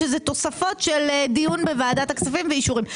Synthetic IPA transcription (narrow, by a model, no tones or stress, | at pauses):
ezet̪o̞safo̞tʃeldijunbevaːdat̪akt͡safimveiʃuʁim